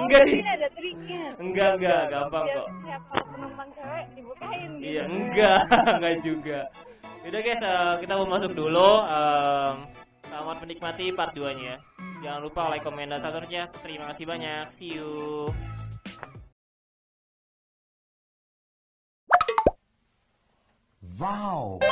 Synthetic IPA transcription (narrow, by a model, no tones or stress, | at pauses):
əŋɡa | əŋɡaəŋɡaɡampaŋt̪ɔ | ijaəŋɡaŋɡaʔd͡ʒuɡaudaɡasəkit̪abəmasʊk̚duluəm | ɡaman̚mənik̚mat̪ipar̚duaɲad͡ʒaŋaɾupaolakomendasat̪uɾsɲat̪əɾimakasibaɲak̚siu | waw